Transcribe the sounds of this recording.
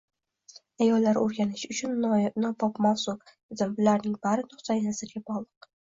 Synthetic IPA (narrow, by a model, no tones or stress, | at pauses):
ajɒlːaɾoɾɡʲanɪʃʊt͡ʃʰʊnnɒbɒpmawsʊk | zɪmblːaɾnɪŋbaɾɪt̪ʰʊχsajnɪzɪɾɡʲabɒlˠɨq